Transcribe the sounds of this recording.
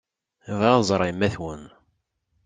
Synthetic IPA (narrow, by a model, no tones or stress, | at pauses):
vzˤɾˤimːæθwən